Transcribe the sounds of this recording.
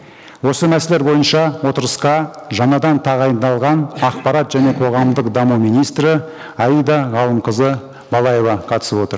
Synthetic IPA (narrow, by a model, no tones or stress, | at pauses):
wo̞səmæse̞le̞ɾbo̞jənʃɑwo̞t̪əɾəsqɑʒɑnɑd̪ɑnt̪ʰɑʁɑjənd̪ɑlˠʁɑnɑqpɑɾɑt̪ʒæne̞qʰo̞ʁɑmd̪əqd̪ɑmumijnijst̪ɾə | ɑjəjd̪ɑʁɑlˠəmqəzə | bɑlˠɑje̞vɑqʰɑt̪ə̥səpwo̞t̪əɾ